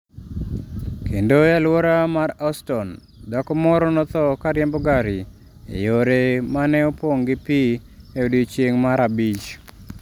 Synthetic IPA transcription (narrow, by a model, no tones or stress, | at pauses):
kʰendojalwoɾamaɾastɔn | dakɔmɔɾɔnɔt̪ɔkaɾjambɔɡaɾi | ḛjoɾemanɛopwoŋɡɪpieodit͡ʃjeŋmaɾabit͡ʃ